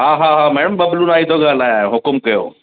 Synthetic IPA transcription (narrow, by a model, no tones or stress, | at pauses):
ɦaːɦaɦaːmɛɽəmbɐbluːnaːɦit̪ʰoɡaːlaːjaɦʊkʊmkɐjo̰ː